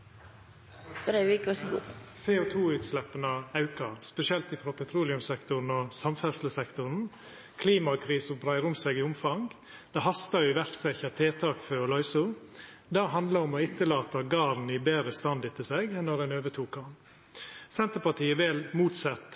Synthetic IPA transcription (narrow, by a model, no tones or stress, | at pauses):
fdɛikɑsɡusɛːot̪ʰuːʉːt̪slɛpːənəɑʉkɑɾspɛsɪɛlt̪ɪfɾoːpʰɛt̪ʰɾuːlɪʉmsɛkt̪ʊɾn̩ɔsɑmfɛsləsɛkt̪ʊɾn̩ | kʰliːmɑkʰɾiːsəbɾæɪɾʊmsɛɡɪʊmfɑŋ | d̪̥ɛɦɑst̪ɑjʊɪʋæɾt̪sɛçɑt̪ʰeːt̪ʰɑːkføːɔlɔʏsʊ | d̪æːɦɑnd̪ləɾɔmɔɪt̪ːəlɑːt̪ɑɡɑːɾn̩iːbeːɾəst̪ɑnd̪ɪt̪ʰɪseːɡɛnːɔɾɛnøːʋət̪ʰuːkɑn | sɛnt̪əpɑt̪ʰiːəʋɛlmuːt̪sɑt̪